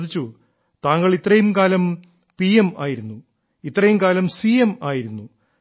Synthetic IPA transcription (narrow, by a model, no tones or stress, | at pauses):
ðit͡ɕːu | t̪aːŋːɐɭit̪rɐjumkaːlɐm | piema̰ːjiɾunːu | it̪ːrɐjumkaːlɐmsiemaːjiɾunːu